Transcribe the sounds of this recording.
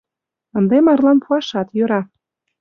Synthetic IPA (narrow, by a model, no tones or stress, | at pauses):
ə̆nd̪emɑrlɑnpuɑʃɑt̪jøɾɑ